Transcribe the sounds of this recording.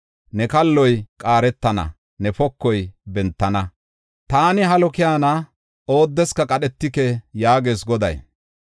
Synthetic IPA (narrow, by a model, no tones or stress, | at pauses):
nɛkɐlːɔjkʼaːɾɛt̪ːɐnɐ̰ | nɛfɔkːɔjbɛnt̪ːɐnɐ | t̪aːnɪɦɐlɔkɪjaːnɐ | o̞ːd̪ːɛskɐkʼɐɗɛt̪ːɪkɛjaːɡeːsɡɔd̪ɐ̰j